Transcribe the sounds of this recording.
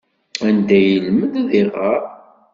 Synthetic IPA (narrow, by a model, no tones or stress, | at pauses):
ænd̪æjəlməd̪ðɪʁəɾ